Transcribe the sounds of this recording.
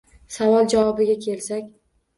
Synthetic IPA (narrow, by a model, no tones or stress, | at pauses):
savɒlˠd͡ʒavɒbɪɡʲakʲʰe̞lsakʲ